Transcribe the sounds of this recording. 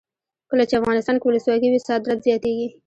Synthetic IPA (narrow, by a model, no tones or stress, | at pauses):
kəlat͡ʃeafɣɑnɪst̪ɑnkewʊləswɑkiwisɑd̪ɾat̪zjɑt̪eɡi